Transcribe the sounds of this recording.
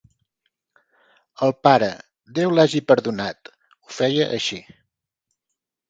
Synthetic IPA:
əlˠpaɾə̰ | d̪ewlaʒipəɾðunat̪ | ufɛjəʔəʃi

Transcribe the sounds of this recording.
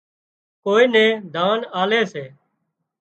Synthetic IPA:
koːiːnẽːd̪ʱaːnaːleːseː

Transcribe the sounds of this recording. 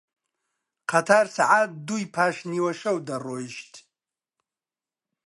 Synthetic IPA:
qʰatʰarsaʕat̚d̪uipʰaʃniwaʃɐwdaroʃtʰʼ

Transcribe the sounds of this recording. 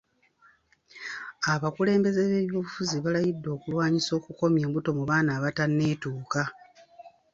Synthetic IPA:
aβakule̞ːmbe̞ze̞βe̞ːβjo̞ːβufuziβalajidːo̞ːkulwaːɲiso̞ːkuko̞mje̞ːmbuto̞muβaːnaːβatanːe̞ːtuːka

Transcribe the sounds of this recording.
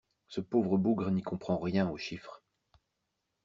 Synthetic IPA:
səpovʁəbuɡʁənikɔ̃pχɑ̃ʁjɛ̃oʃifχ

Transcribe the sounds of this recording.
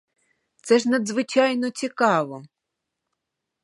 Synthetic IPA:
t̪sɛʒnɐd̪zʋɪt͡ʃɑjnɔt͡sʲikɑʋɔ

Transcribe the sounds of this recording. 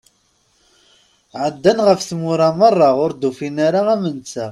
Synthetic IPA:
ʕəd̪ːænʁəfθmʊɾˤɑmərˤːɑʁʊɾd̪ufinaɾaæmənt͡sːæ

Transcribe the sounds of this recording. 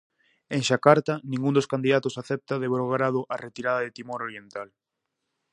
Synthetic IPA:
eŋʃakaɾt̪anĩŋɡund̪oskand̪iðat̪osaθɛp̚t̪aðeβɾoɣɾaðʊʔaret̪iɾaðɐðet̪imoɾoɾjent̪al

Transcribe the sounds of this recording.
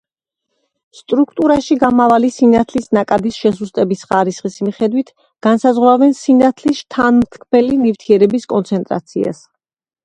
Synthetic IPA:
st̪ʼɾukʰt̪ʼuɾaʃiɡamavalisinat̪ʰlisnakʼad̪isʃɛsust̪ʼɛbisχaɾisχismiχɛd̪wit̪ʰ | ɡ̥ansazʁwɾavɛnsinat̪ʰlisʃt̪ʰanmt̪ʰkʰmɛlinift̪ʰiɛɾɛbiskʼɔnt̪sʰɛnt̪ʼɾa̰t̪sʰia̰s

